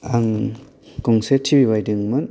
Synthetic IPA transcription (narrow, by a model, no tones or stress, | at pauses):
aŋ | kɔŋsetʰibibajdɯŋmɯn